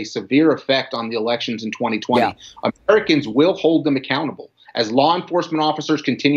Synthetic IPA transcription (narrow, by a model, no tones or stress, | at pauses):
ɨsɨvɪɹɨfɛk̚tn̩ðiəlɛkʃɨ̃nzɨ̃n̩tʰw̥ɛ̃ɾ̃itʰw̥ɛ̃ɾiʔəɹɨkɨ̃nzwɪlˠhoʊlˠd̪̚ðɨ̃mɨkʰãʊ̃ɾ̃əbl̩ˠʔɨzlɔə̃ɱfɔɹsm̃ɾ̃ɔfəsə˞z̥kʰɨ̃n̩tʰɪ̃nj